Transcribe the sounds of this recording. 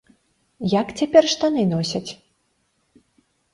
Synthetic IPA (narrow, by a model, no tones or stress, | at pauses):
jakt͡sʲapʲɛrʂt̪anɨnɔsʲɐt͡sʲ